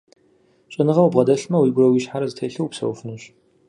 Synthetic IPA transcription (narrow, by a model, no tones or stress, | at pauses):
ɕʼɪnɨʁɐwbʁɐdɐɬmɐwiːɡʷʊɾɐwiɕħaɾɐzɨtʰejɬɨwpsɐ̰wfɨnɨɕ